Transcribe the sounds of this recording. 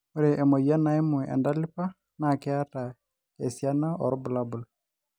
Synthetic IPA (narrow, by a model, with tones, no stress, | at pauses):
o˦ɾe˨ʔɛ˨mo˨ja˦na˨jmʊ˨ʔɛ̰˨nda˦lɪ˦pa˦ | na˨kɪ˦a˦ta˨ | e˨sja˦na˦ɔ̰˨ɾʊ˦bʊ˨la˦bʊ˨l